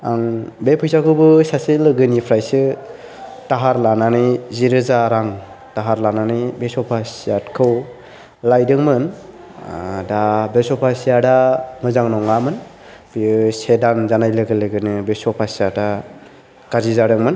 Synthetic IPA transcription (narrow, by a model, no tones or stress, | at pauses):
aŋbepʰɯjsakʰɯwbɯsaselɯɡɯnipʰɾajsɯ | taɦaɾlananɯjziɾɯzaɾaŋ | taɦaɾlananɯjbesɔpʰasiatkʰɯw | lajdɯŋmɯn | dabesɔpʰasijadamɯzaŋnɔŋamɯn | bisedanzanajlɯɡɯlɯɡɯnɯbesɔpʰasijada | kazizaɾɯŋmɯn